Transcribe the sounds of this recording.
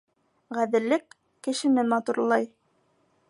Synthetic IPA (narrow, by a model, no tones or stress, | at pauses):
ʁæðɘ̆lːɘkː | ɘ̆ʃɘ̆nɘmɑt̪uɾlˠɑj